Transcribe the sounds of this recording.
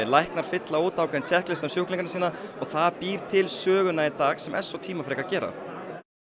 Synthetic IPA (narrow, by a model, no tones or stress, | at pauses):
ɪlajhknaɾ̥fɪt̪laoːt̪awkʰɛnt̪ʰɛhklɪst̪amsjowkliŋkansiːnaɔɣθaðpiːɾ̥t̪ʰɪlsœːɣʏnait̪aːɣsɛmʔɛ̰nsːɔt̪ʰiːmafɾeːjkacɛːɾa̰